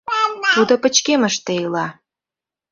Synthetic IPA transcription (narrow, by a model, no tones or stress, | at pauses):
t̪ud̪opət͡ɕkeməʃt̪eilɑ